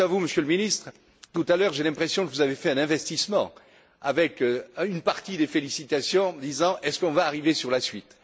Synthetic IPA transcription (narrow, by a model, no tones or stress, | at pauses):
avuməsjøləminist̪χ | t̪ut̪alœʁʒelɛ̃pχesjɔ̃kəvuzavefɛɛ̃nɛ̃vɛst̪ismɑ̰̃ | avɛkynpaʁt̪id̪efelisit̪asjɔ̃d̪izɑ̃ʔɛskɔ̃vaːʁivesyʁlasɥit̪